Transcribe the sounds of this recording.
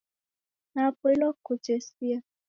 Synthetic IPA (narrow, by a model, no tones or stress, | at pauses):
napilɔkut͡ʃesia